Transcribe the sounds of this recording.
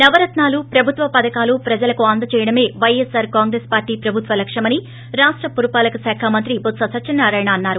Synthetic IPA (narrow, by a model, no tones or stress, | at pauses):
nɐʋɐɾɐt̪naːlupɾɐbʱut̪ʋɐpɐd̪ɐkaːlupɾɐd͡ʒɐlɐkuaːnd̪ɐt͡ʃɛːjɐɽɐme̞ːʋɐjesaːɾkaːŋɡɾeːspaːɾʈiːpɾɐbʱut̪ʋɐlɐkʂɐmɐni | ɾaːʂʈɾɐpuɾupaːlɐkɐsaːkʰaːmɐnt̪ɾibot̪sɐsɐt͡ʃːɐnːaːɾaːjɐɳɐɐnːaːɾu